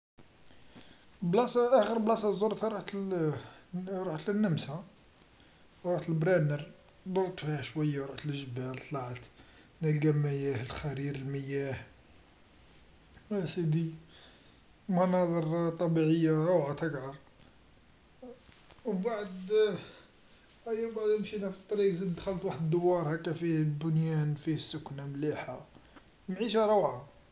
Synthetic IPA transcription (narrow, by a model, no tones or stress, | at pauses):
blɑsʔæxəɾblɑsˤɑzˤoɾˤt̪aɾˤuħt̪ | ɾuħt̪lənːəmsæ | ɾoħt̪əlbɾɑnəɾ | b̪ɑɾˤt̪ˤfihæʃwæjːaɾˤuħt̪əlʒəbælt̪ˤlɑʕət̪ | næɡæmːæjæhəlxæɾiɾəlməjːæh | æsəd̪i | mɑnɑd̪ˤəɾt̪ˤɑbiʕəjːaɾˤuwʕat̪əɡʕɑɾˤ | baʕəd̪ | ʔæjːæmbaʕd̪əmʃinæfit̪ˤːɑɾiqzəd̪ːxələt̪waħəd̪d̪ʊwːɑɾˤhækːæfihbʊnjænfihsːʊkːnamliħa | mʕiʃæɾˤuʕa